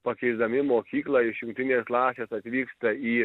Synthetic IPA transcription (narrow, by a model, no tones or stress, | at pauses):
pɐkʲɛɪzd̪ɐmʲɪmoːkʲiːklˠɑɪʃjʊŋk̚ʲt̪ʲɪnʲeːsklˠɑːsʲeːsɐt̪ʲʋʲiːkst̪ɐiː